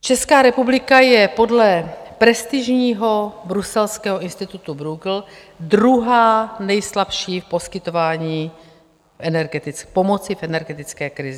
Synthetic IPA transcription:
t͡ʃɛskaːɾɛpublɪkajɛpo̞dlɛpɾɛst̪ɪʒɲiːɦo̞bɾusɛlskɛːɦoʔɪnst̪ɪt̪ut̪ubɾuɡl̩ | d̪ɾuɦaːnɛjslapʃiːfpo̞skɪt̪o̞vaːɲiː | fʔɛnɛɾɡɛt̪ɪpo̞mo̞t͡sɪfʔɛnɛɾɡɛt̪ɪt͡skɛːkɾɪzɪ

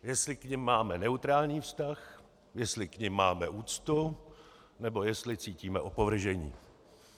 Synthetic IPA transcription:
jɛslɪkɲɪmːaːmɛnɛut̪ɾaːlɲiːfst̪ax | jɛslɪkɲɪmːaːmɛʔuːt͡st̪u | nɛbo̞jɛst̪lɪt͡siːciːmɛʔo̞po̞vr̩ʒɛɲḭː

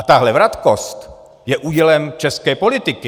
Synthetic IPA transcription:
at̪aɦlɛvɾat̪kost̪ | jɛʔuːɟɛlɛmt͡ʃɛskɛːpo̞lɪt̪ɪkɪ

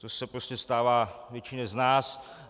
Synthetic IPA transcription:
t̪osɛpɾoscɛst̪aːvaːvjɛt͡ʃɪɲɛznaːs

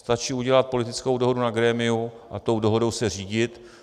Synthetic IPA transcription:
st̪at͡ʃiːuɟɛlat̪̚po̞lɪt̪ɪt͡sko̞wdo̞ɦo̞dunaɡɾɛːmɪu | ʔat̪o̞wdoɦo̞do̞wsɛr̝iːɟɪt̪

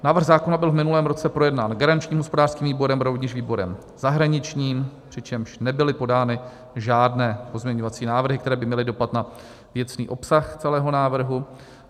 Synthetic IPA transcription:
naːvr̩ɣzaːkonabɪlvmɪnulɛːmɾo̞t͡sɛpɾo̞jɛdnaːnɡaɾant͡ʃɲiːmɦospo̞daːr̥skiːmviːbo̞ɾɛmɾovɲɪʒviːbo̞ɾɛ̰m | z̥aɦɾaɲɪt͡ʃɲiːmpr̝̥ɪt͡ʃɛmʃnɛbɪlɪpo̞daːnɪ | ʒaːdnɛːpo̞zmɲɛɲo̞vat͡siːnaːvr̩ɦɪkt̪ɛɾɛːbɪmɲɛlɪdo̞pat̪na | vjɛt͡snḭːʔo̞psaxt͡sɛlɛːɦo̞naːvr̩ɦu

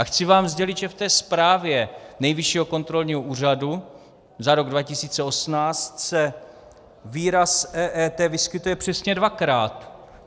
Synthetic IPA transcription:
ʔaxt͡sɪvaːmzɟɛlɪt̪ʒɛft̪ɛːspɾaːvjɛnɛjvɪʃiːɦo̞ko̞nt̪ɾo̞lɲiːɦoʔuːr̝adu | zaɾo̞ɡdvacɪsiːt͡sɛo̞smnaːt͡st̪sɛ | viːɾasɛːʔɛːt̪ɛːvɪskɪt̪ujɛpr̥ɛsɲɛdvakɾaːt̪

